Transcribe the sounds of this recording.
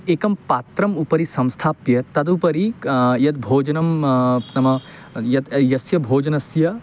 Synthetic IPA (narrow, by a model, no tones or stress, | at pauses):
eːkɐmpaːt̪ɾɐmupɐɾisɐ̃mst̪ʰaːpjɐt̪ɐd̪upɐɾijɐt̪bʱoːd͡ʒɐnɐmnɐmɐ | jɐt̪jɐsjɐbʱoːd͡ʒɐnɐsjɐ